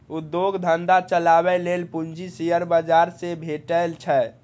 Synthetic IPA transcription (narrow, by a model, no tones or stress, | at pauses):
ud̪joɡd̪ʱənd̪at͡ʃəlabɛlelpund͡ʒisijəɾbəd͡ʒaɾsebʱeʈəlt͡ʃʰɛ